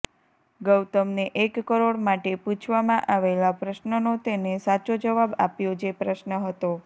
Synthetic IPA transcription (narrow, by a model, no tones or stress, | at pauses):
ɡəwt̪əmneʔekːəɾoɽmaʈeput͡ʃʰʋamãʔaʋelapɾəʃnənot̪enesat͡ʃod͡ʒəʋaba̰pjod͡ʒepɾəʃnəɦət̪o